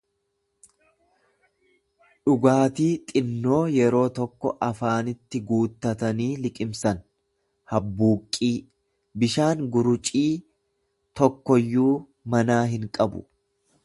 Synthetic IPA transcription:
ᶑʊɡaːt̪iːt̪ʼɪnːo̞ːjɛɾo̞ːt̪ɔkːɔʔɐfaːnɪt̪ːɪɡuːt̪ːɐt̪ɐniːlɪkʼɪmsɐn | hɐbːuːkʼːiː | bɪʃaːŋɡʊɾʊt͡ʃʼiː | t̪ɔkːɔjːuː | mɐnaːɦɪŋkʼɐbʊ̰

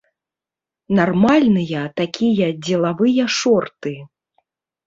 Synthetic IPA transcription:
narmalʲnɨjɐt̪akʲʰijɐd͡zʲɛlˠavɨjɐʂɔrt̪ɨ

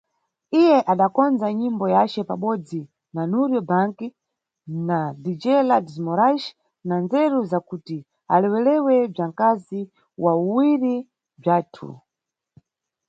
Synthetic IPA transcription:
ijɛʔaɗakɔnd͡zaɲimbɔjat͡ʃɛpa̰ɓɔd͡zi | nanuɾjɔbaŋki | nadid͡ʒɛladizmɔɾaʃ | nand͡zɛɾuzakuti | a̰lɛwɛlɛwɛb͡ʐaŋkazi | wauwiɾi | b͡ʐaːtʰṵ

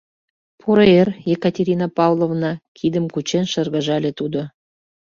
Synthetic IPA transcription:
pʰuɾɑerjekɑtʲeɾʲinɑpɑwlˠovnɑkʰid̪əmkut͡ɕenʃə̆rɣə̆ʒɑlʲet̪ud̪o

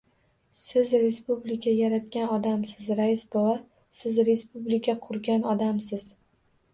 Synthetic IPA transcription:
sɪzɾe̞spublɪkʲʰajaɾat̪kʲanɒd̪amsɪzɾajɪsbova | sɪzɾe̞spublɪkʰʲaqʰʊɾɡʲanɒd̪amsɪz̥

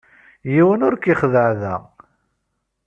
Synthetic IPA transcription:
jiwənʊɾkiχðəʕðæ

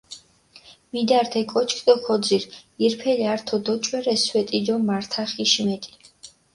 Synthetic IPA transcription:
mid̪aɾt̪ʰɛkʼɔt͡ʃʰkʰd̪ʼɔkʰɔd̪ziɾiɾpʰɛliaɾt̪ʰɔd̪ɔt͡ʃʼwɛɾɛswɛt̪ʼid̪ɔmaɾt̪ʰaχiʃmɛt̪ʼi̥

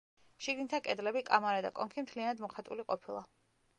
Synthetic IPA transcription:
ʃiɡnit̪ʰakʼɛd̪lɛbikʼamaɾad̪a̰kʼɔŋkʰimt̪ʰlianad̪mɔχat̪ʼṵliqʼɔpʰilˠa

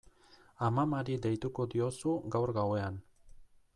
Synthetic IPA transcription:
amamaɾid̪e̞jt̪uko̞d̪io̞suɡawɾɣawe̞an

